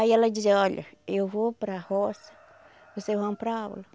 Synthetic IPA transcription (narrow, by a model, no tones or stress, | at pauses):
aiɛlɐd͡ʒizɐɔʎɐ̰ewvopɾɐhɔsɐ̥ | vosewɦoɐ̃pɾaabo̰lɐ